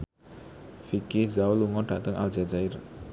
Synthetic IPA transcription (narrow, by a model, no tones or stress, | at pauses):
fikizauluŋɔɖ̥a̤t̪əŋʔa̰ld͡ʒad͡ʒair